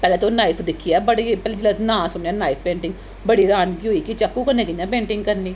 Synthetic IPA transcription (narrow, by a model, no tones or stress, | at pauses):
pɛːlɛːt̪onaːɪpʰd̪ɪkʰːiɛbəʈipɛːled͡ʒɪlanãːsʊɳaːnaːɪpʰpẽːɳʈɪ̃ŋɡ | bəɽiːɾaːnkiɦoiːkit͡ʃəkːũːkənẽːkɪɲjãːpẽːɳʈɪ̃ŋɡ̚kəɾniː